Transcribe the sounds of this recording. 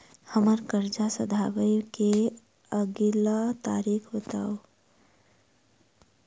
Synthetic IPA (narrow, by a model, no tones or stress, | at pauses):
həməɾkəɾd͡ʒasəd̪ʱabəjke | əɡilat̪aːɾiːkʰbət̪aːo